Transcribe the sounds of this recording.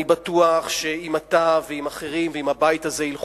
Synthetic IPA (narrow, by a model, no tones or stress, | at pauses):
ibatuaχʃe̞imat̪aveimaχeʁimveimhabajitaze̞ilχ